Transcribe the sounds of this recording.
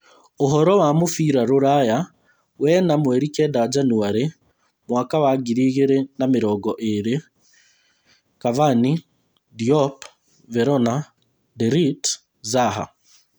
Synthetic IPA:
oɦɔɾɔwamofiːɾaɾoɾaja | wɛnamwɛɾikɛdad͡ʒanuaɾe | mwaːkawaɡiɾiːɣeɾenameɾɔːɡɔʔeɾe | kavani | diɔp | vɛɾɔna | dɛɾit | zaɦa̰

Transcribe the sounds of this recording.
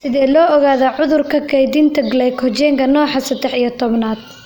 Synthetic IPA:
sɪðɛːlɔːɔɣaːðɐʕʊðʊrkʰɐkʰɛjd̪ɪnt̪ʰɐɡlɛjkʰɔt͡ʃɛːŋkʰɐnɔːħɑsɐd̪ɛħijɐt̪ʰɔβnaːd̪̥̚

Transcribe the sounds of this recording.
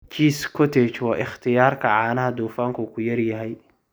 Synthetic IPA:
kʰiskɔt̪et͡ʃwaʔɪxt̪ɪjaːɾkaʕaːnahad̪ufaŋkokujɐɾjɐɦaj

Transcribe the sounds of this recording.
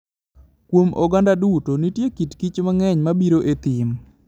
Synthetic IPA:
kwomɔɡandadutonitjekitkit͡ʃmaŋɛɲmabiɾoʔet̪ɪm

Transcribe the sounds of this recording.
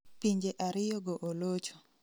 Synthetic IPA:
piɲd͡ʒeʔaɾɪjoɡoʔolot͡ʃo̥

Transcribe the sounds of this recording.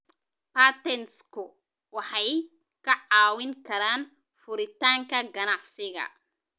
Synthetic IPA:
paːt̪ɛnskʰʊ | wɑħɑj | kʰɐʕɑːwɪŋkʰɐɾaːn | fʊɾɪt̪ʰaːŋkʰɐɡɐnɑʕsɪɣɐ̰

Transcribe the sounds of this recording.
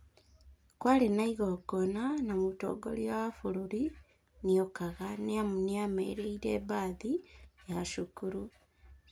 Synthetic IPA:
kwalenaiɣoɡonanamuto̰ːɡo̰liaafuɾuɾi | niokaɣaneamuniamḛɾeiɾebaːðijaʃukuɾu

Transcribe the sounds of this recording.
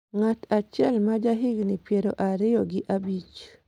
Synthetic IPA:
ŋat̪at͡ʃjɛlmad͡ʒaɦɪɡnɪpjeɾoʔaɾɪjoɡɪʔabit͡ʃ

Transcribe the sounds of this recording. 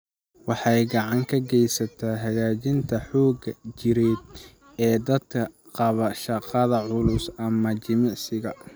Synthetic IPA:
wɑħɑjɡɑʕɑŋkʰɐɡɛjsɐt̪ʰaːɦɐɣaːt͡ʃɪnt̪ʰɐħɔːɡɐt͡ʃɪɾɛd̪̚ | ɛːd̪ɐd̪kʰɐ | qɑβɐʃɑqɐðɐʕʊlʊsɐmɐt͡ʃɪmɪʕsɪɣɐ

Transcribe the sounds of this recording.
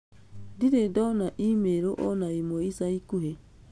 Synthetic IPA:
diɾedonaʔimeɾoʔonaimoisaikuɦe

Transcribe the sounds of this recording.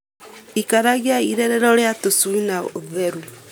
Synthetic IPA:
ikaɾaɣjaiɾeɾeɾɔɾeatosuinaoðeɾu

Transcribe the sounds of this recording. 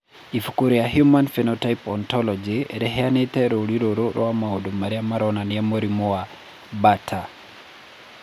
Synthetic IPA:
ifukuɾiahjumanfinotajpɔntɔlɔd͡ʒiɾɛɦɛanetɛɾoliɾoɾoɾʔɔ̰wamaodomaɾiamaɾɔnaniamoɾimowa | batʰa

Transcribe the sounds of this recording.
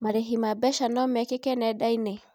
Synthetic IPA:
maɾeɦimabɛʃanɔmɛkekɛnɛdaine

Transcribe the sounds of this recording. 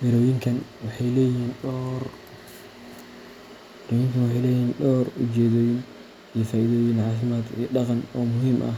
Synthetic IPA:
mɪɾɔːjɪŋkʰɐnwɑħɑjlɛːjiːnɔr | ɪɾɔːjɪŋkʰɐnwɑħɑjlɛːjhiːnɖɔːrʊt͡ʃɛːðɔːjɪn | ijɔfaːʔiðɔːjɪnʕɑːfɪmaːd̪ḭjɔɖɑqɑnɔːmʊɦiːmʔɐ̰h

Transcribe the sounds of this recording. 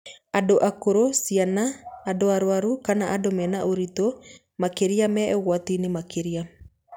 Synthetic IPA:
adoʔakoɾosianaːdoaɾoaɾukanaʔadomɛnaʔoɾito | makeɾiamɛɛɣwatinemakeɾia

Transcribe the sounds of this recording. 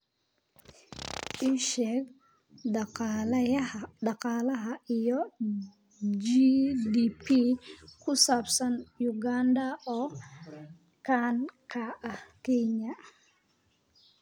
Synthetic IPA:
ʔiʃɛːɡ | ɑ | dɑqɑːlɐɦɐijɔ | d͡ʒidiːpʰikʰʊsaːbsɐnjʊɡaːnd̪ɐɔː | kʰaːnkʰaʔɐhkʰɛɲɐ

